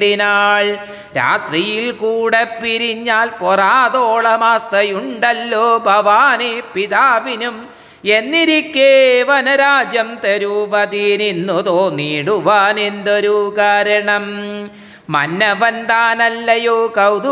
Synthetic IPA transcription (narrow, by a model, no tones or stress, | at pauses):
ɽinaːɭ | ɾa̰ːt̪rijilkuːɽepːiɾiɲːaːlporaːðoːɭɐmaːst̪ɐjuɳɖɐlːoːbʱɐʋaːnepiðaːʋinum | enːiɾikːeːʋɐnɐɾaːd͡ʑjɐmt̪eɾuʋɐðininːut̪oːniːɽuʋaːnend̪oɾukaːɾɐɳɐm | mɐ̰nːɐʋɐnd̪aːnɐlːɐjoːkɐwd̪